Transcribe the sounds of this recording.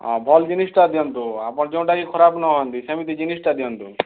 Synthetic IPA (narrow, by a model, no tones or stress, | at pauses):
bʱɔld͡ʒinisʈad̪jɔnt̪ua̰pɔ̃ɳd͡ʒeũɳʈakikʰɔɾabnɔɦɔnt̪isɐmit̪id͡ʒinisʈad̪jɔnt̪u